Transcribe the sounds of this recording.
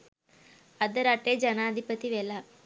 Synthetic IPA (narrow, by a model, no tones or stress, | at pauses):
ɐd̪ɐɾɐʈːeːd͡ʒɐnaːɐd̪ʱipɐt̪ːiʋelːa